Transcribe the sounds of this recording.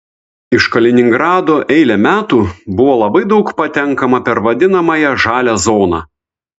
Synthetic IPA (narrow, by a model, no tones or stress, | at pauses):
ɪʃkɐlʲɪnʲɪŋɡɾɑːd̪oːʔɛɪlʲɛmʲæːt̪uːbʊʋoːlˠɐbɐɪd̪ɒʊkpɐt̪ʲɛŋkɐmɐpʲɛɾʋɐd̪ʲɪnɐmɐjɛʒɑːlʲæzoːnɑ̰